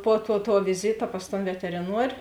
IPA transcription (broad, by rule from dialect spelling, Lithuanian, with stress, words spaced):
puɔ tuɔ tuɔ ʋʲɪˈzʲiːtɐ pɐs toːn ʋʲɛtʲɛrʲɪˈnuɔrʲ